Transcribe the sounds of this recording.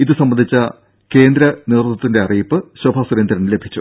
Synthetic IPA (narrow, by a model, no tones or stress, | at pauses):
iðɨsɐmːɐnd̪ʱit͡ɕːɐ | ke̞ːnd̪ɾɐneːrt̪ːɐt̪ːinde̞ɐriːpːɨɕɐbʱasuɾend̪ɐɾɐnile̞bʱit͡ɕːu